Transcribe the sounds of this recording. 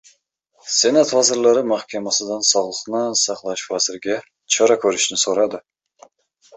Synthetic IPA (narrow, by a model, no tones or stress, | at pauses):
senat̪vɑzɪɾlˠɑɾɪmahkʲamasɪd̪ɑnsɒʁlˠɨqnɨsɑχlˠɑʃvazɪɾɡʲa | t͡ʃʰɒɾɑkʲʰɵɾɪʃnɪsoɾɑd̪ɪ